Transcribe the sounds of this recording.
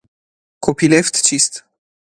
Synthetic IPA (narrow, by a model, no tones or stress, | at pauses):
kʰopileft̪t͡ʃist̪